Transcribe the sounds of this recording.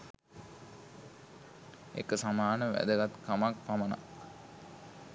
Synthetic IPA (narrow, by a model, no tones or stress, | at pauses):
ḛkəsamaːnəʋæ̰d̪əɡat̪kamak̚paməna̰